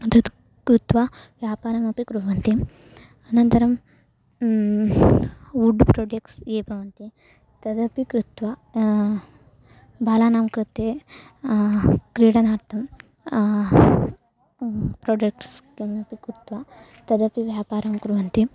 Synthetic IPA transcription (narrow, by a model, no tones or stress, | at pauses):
ɐt̪ɐd̪ | kɾut̪ʋa | ʋjaːpaːɾɐmɐpikɾuʋɐnt̪i | ɐnɐnt̪ɐɾɐm | uɖpɾoːɖekseːbʱɐʋɐnt̪i | t̪ɐd̪ɐpikɾut̪ʋa | bʱaːlaːnaːmkɾut̪ːe | kɾiːɽɐnaːɾt̪ʰɐm | pɾoːɖekʈskemɐpikɾut̪ʋa | t̪ɐd̪ɐpiʋjaːpaːɾɐmkɾuʋɐnt̪i